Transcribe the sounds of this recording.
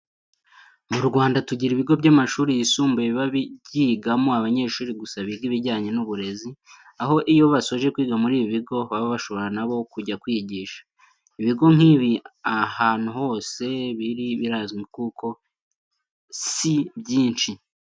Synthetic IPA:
muɾɡwaːndatuɟiɾiβiɡo̞bɟamaʃuːɾijisuːmbujeβaβiɟiːɡamoaβaɲe̞ːʃuːɾiɡusaβiɡiβiɾɟaːɲe̞nuβuɾe̞zi | aɦo̞ʔijo̞βaso̞ʒe̞kwiːɡamuɾiːβiβiɡo̞βaβaβaʃo̞βo̞ɾanaβo̞kuɟakwiɟiːʃḁ | iβiɡo̞ŋ̥hiːβiahaːn̥huho̞ːse̞βiɾiβiɾazɡikukʰo̞ | sibɟiːnʃi

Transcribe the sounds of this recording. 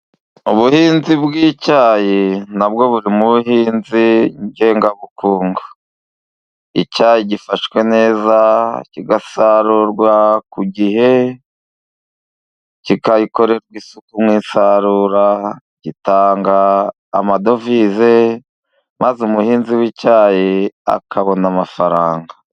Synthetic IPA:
uβuhiːnzibɡiːcaːjenabɡo̞βuɾimuβuɦiːnziɲɟe̞ːŋɡaβukuːŋɡo̥ | icaːjiɟifaʃkwe̞ne̞ːzaciɡasaɾuɾɡwakuɟiɦe̞ | cikaiko̞ɾe̞ɾɡwiːsukumŋiːsaɾuːɾa | ɟ̥itaːŋɡa̰ː | mado̞vize̞ | mazumuhiːnziwicaːjea̰kʰaβo̞namafaɾaːŋɡa

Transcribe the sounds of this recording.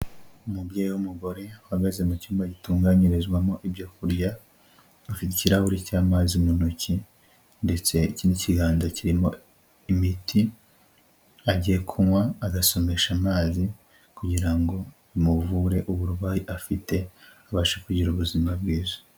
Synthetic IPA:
umubɟeːjiwumuɡo̞ɾe̞ahaɡaze̞mucuːmbaɟituːŋɡaɲiɾizɡwamo̞ʔibɟokuɾja | afiticiɾaβuɾicaːmazimonoci | nde̞t͡se̞iciniciɡaːndaciɾimo̞ | imiti | aɟije̞kʰumwaːɡaso̞me̞ʃamaːzi | kuɟiɾaŋɡo̞ | imuvuɾe̞ʔuβuɾuβaːjiʔafite̞aβaːʃekuɟiɾuβuzimabɡiːzo̥

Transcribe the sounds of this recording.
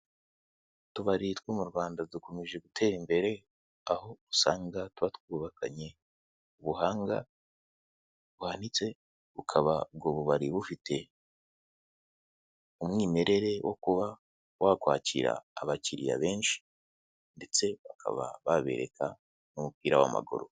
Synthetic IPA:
tuβaɾitwoːmuɾɡwaːndaduko̞meʒe̞ɡutʰe̞ːɾimbe̞ɾe̞ | aho̞usaːŋɡatuβatwuːβakʰaɲe̞ | uβuhaːŋɡa | βuhanit͡se̞ | βukʰaβab̚ɡoːβuβaɾiβufitʰe̞ | umŋwiːme̞ɾe̞ɾe̞wʔo̞̰kuβa | wʔakwaːcḭɾa̰ːβaciɾḭja̰βe̞ːnʃi̥ | nde̞t͡se̞βakʰa̰βa̰βaβe̞̰ɾe̞̰kʰa̰ | nomupiːɾawa̰ma̰ɡo̰ɾo̰

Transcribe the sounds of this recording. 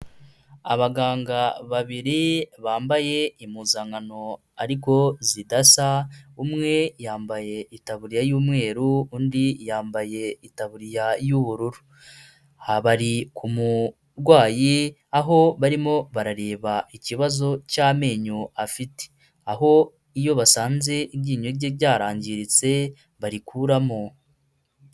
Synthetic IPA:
a̰βaɡaːŋɡaβaβiɾiβaːmbaje̞imuzaːŋɡano̞ | aɾiko̞zidasaumŋe̞jaːmbaje̞itaβuɾijajuːmŋe̞ːɾuundijaːmbaje̞itaβuɾijajuβuɾuɾu | haβaɾikʰumu | ɾɡwaːji | aɦo̞βaɾimo̞βaɾaɾe̞ːβaiciβazo̞caːme̞ːɲoafite̥ | aɦo̞ | ijo̞βasaːnze̞iβɟiːɲoɟebɟaːɾaːɲɟiɾit͡se̞ | βaɾikuɾamo

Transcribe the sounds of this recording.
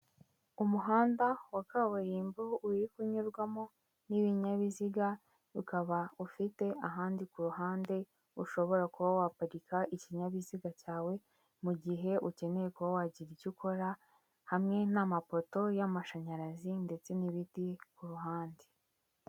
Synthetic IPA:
umuɦaːndawakawuɾiːmbuuɾikuɲuɾɡwamo | niβiɲaβiziɡa | ukaβaufite̞aɦaːndikuɾuɦaːnde̞ | uʃo̞βo̞ɾakuβawapaɾikaʔiciɲaβiziɡacaːwe̞ | muɟiɦe̞uce̞ne̞ɾe̞kuβawaɟiɾicikʰo̞ɾa | hamŋe̞namapo̞to̞jamaʃaɲaɾazinde̞t͡se̞niβitikuɾuɦaːnde

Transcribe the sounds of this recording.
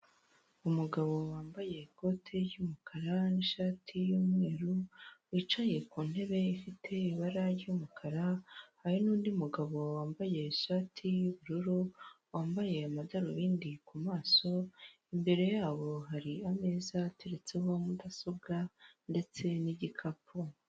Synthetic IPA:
umuɡaβo̞waːmbaje̞ko̞ːtʰe̞ɾɟuːmukʰaɾaniʃaːtʰijuːmŋe̞ːɾuwit͡ʃaje̞kuːn̥he̞βe̞ifitʰe̞iβaɾaɾɟumukʰaɾahaɾinuːndiumuɡaβo̞waːmbaje̞iʃaːtʰijuβuɾuɾo | waːmbaje̞amadaɾoβiːndikumaːso̞ | imbe̞ɾe̞jaːβo̞ɦaɾiame̞zatʰeɾet͡se̞homudaso̞bɡande̞t͡se̞niɟikʰapʰo

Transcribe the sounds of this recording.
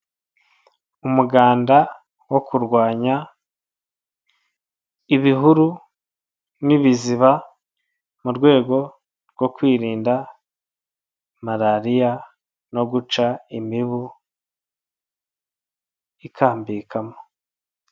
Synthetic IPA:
umuɡaːnda | wo̞kuɾɡwaːɲa | iβiɦuɾu | niβiziβa | muɾɡwe̞ːɡo̞ | ɾɡ̥wo̞kwiːɾiːnda | maɾaɾija | no̞ɡut͡ʃaimiβu | ikʰaːmbikʰamo

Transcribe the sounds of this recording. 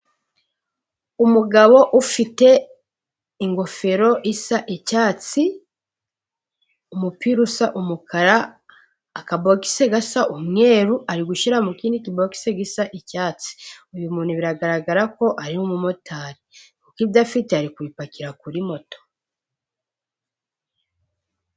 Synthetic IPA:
umuɡaβo̞ʔufite̞ | iŋɡo̞fe̞ɾo̞ʔisaʔicaːt͡si | umupiɾusaʔumukʰaɾaː | kaboki̥seɡasaʔumŋe̞ːɾuʔaɾiɡuʃiɾamukiːndikiboki̥seɡisaʔicaːt͡si̥uβjumuːn̥huβiɾaɡaɾaɡaɾako̞ʔaɾimumumotʰaːɾiŋkukivdafiteaɾikuβipakiɾakuɾimo̞to̥

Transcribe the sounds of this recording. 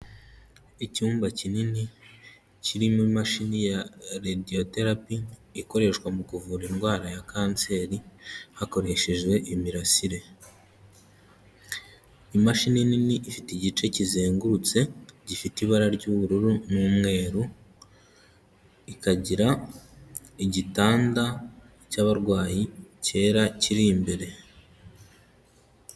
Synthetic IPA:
icuːmbacinini | ciɾimuimaʃinijaɾedio̞te̞ɾapiːko̞ɾe̞ʃwamukuvuɾinɡwaːɾajakʰaːnt͡se̞ːɾihako̞ɾe̞ʃe̞ʒɡwe̞ʔimiɾasiɾe̞ | imaʃinininiʔifitiɟit͡ʃe̞cizeːŋɡuɾut͡se̞ɟifitiβaɾaɾɟuβuɾuɾunuːmŋe̞ːɾu | ikaɟiɾa | iɟitaːnda | caβaɾɡwaːjice̞ːɾaciɾiːmbeɾe̞

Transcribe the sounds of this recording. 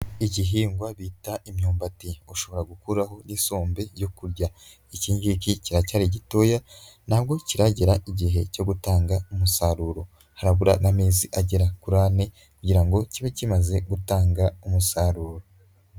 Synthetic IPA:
iɟiɦiːŋɡwaβiːtaimɲoːmbatioʃo̞βo̞ɾaɡukuɾaho̞nisoːmbe̞jo̞kuɾɟa | iciːɲɡikiciɾacaːɾiɟitojanab̚ɡo̞ciɾaɟeɾaʔiɟiɦe̞co̞ɡutaːŋɡaumusaɾuːɾo̞ | haɾaβuɾanameːziʔaɟeɾakuɾaːne | kuɟiɾaŋɡo̞ciβecimaze̞ɡutaːŋɡaumusaɾuːɾo

